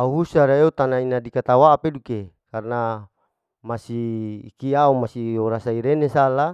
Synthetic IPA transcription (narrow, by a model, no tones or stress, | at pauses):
auɦusaɾaeut̪anainadikat̪awaːpedukekarna | masiːkiaumasioɾasaiɾenesala